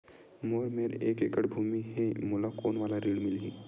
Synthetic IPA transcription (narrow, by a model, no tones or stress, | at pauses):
moːɾmeɾeːkekəɽbʱuːmiɦɛ̃moːlakoːnʋaːlaɾiːɽmɪlɦĩː